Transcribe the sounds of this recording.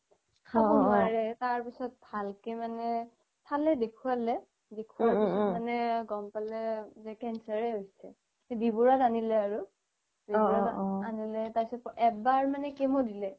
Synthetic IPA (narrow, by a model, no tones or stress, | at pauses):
kʰakɔnaɹɛtaɹpisɔt̚bʱalkemanɛ | tʰalɛdekʰualɛ | dekʰuaɹpisɔtmanɛɡɔmpalɛzɛkɛnsaɹɛɦojsɛ | ebibuɹatanilɛaɹu | dibuɹaanilɛtasɛpɔʔɛbaɹmanɛkemodilɛ